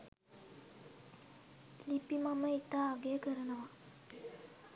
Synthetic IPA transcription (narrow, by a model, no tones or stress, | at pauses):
lipːimaməit̪ːaːɡeːkəɾɐnɐʋa